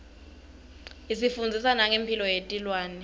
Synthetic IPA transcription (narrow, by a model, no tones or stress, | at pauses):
isifund͡zʱisanaŋempʰilɔjetʼilwaːnɛ